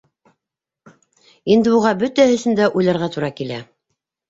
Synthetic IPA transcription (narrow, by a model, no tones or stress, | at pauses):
ind̪ɘbuʁɑbɵt̪æhɵ̆sɘ̆nd̪æʔujlˠɑɾʁɑt̪uɾɑkilæ̰